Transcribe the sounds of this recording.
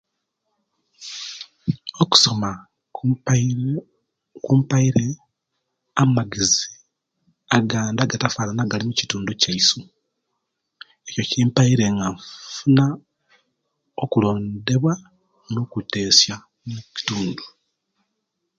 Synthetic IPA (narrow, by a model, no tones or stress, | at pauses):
oku̥so̞ma | kuːmpaiɾe | amaɡizi | aɡaːndaɡatafalanaɡalimuci̥tuːndocaisu | e̞cocimpaiɾe̞ŋɡaɱfuna | okulo̞ːnde̞βwa | nokute̞ːsja | nuci̥tuːndu